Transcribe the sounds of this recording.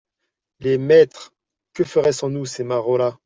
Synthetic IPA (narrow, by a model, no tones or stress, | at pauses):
lemɛt̪χ | kəfəʁɛsɑ̃nusemaʁola